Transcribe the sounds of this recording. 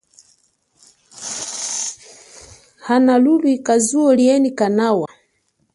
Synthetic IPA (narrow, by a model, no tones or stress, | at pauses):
hanalulwikazuɔliɛnikanawa